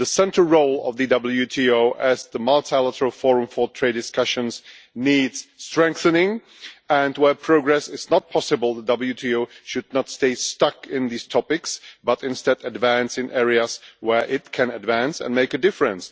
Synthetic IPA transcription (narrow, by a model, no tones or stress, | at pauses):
ðəsɛ̃ntʰəl̩ˠɹoʊlˠʌ̰vðɨdʌbl̩ˠjʉtʰioʊʔɨzðəmɑlˠtʰælˠəɾə˞l̩ˠfɔɹɨ̃ɱfə˞tʰɹ̥eɪdɨskʌʃɨ̃nz | nidz̥stɹ̥ɛ̃ŋk̚θɨnɪ̃ŋ | ə̃nwə˞pʰɹ̥oʊɡɹɛsɪznət̚pʰɑsɨbəl̩ˠðədʌbl̩ˠjʉtʰioʊʃɨdⁿnətsteɪstʌkɪ̃nðiz̥tʰɑpɪksb̥ʌɾɨ̃nstɛdɨdvæ̃nsɨ̃nʔɛɹiɨz̥wə˞ʔɪt̚kʰɨ̃nɨdvæ̃nsɨ̰̃nmeɪkɨdɪfɹɨ̃ns